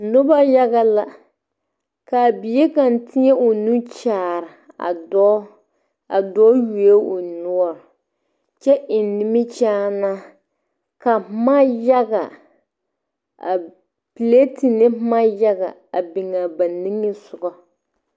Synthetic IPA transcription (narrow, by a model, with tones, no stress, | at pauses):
nʊ˦ba˦ja˦ɣa˦la˨ | ka˨bi˨e˦ka˨n˨tʰɪ˦ɲɛ˦ʊ˨nu˦t͡ʃaː˨ɾɪ˨ | a̰˨ɔ˦ | a˨dɔ˦ju˨e˦ʊ˨nʊ˦ɔ˦˨ɾ | t͡ʃɛ˦ʔɪ˨nnɪ˦mɪ˦t͡ʃaː˦na˦ | ka˨˦ma˦ja˦ɡa˨ | a̰˨ | pi˨le˦ti˨nɪ˦ma˦ja˦ɡa̰˨ | a̰˨bɪ˨ŋa˨ba˨ni˦ŋːɪ˦sʊ˨ɡɔ˦